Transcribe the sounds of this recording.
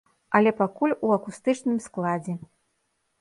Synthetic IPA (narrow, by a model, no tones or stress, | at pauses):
ɐlʲɛpakulʲuɐkust̪ɨt͡ʂnɨmsklˠad͡zʲɛ